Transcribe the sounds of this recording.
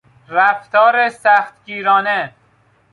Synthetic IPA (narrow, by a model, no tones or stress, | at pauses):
ɾæft̪ɒːɾesæxt̪ɡiːɾɒːne